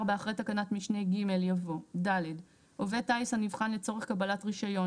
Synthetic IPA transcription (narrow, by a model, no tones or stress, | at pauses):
ʁbeaχʁejt̪akanatmiʃne̞jɡime̞ljavo̞daled | ovetajsanivχanlet͡so̞ʁeχkabalatʁiʃajo̞